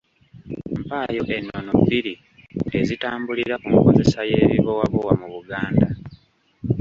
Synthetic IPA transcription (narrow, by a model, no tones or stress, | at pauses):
mpaːjo̞ʔe̞nːonobːiɾi | e̞zitaːmbuliɾakumuko̞ze̞sajeːβiβo̞waβowamuβuɡaːnda